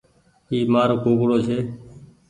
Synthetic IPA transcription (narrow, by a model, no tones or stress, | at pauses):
iːmaːɾoːkoːkɽoːt͡ʃʰeː